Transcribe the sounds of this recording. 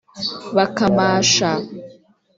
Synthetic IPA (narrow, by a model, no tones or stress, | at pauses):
βakamaːʃa